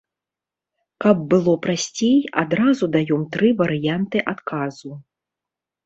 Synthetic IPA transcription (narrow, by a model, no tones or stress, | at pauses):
kɐbːɨlˠɔpɾasʲt͡sʲeja̰d̪ɾazud̪ajɔmt̪ɾɨvɐɾɨjant̪ɨʔat̪kʰazu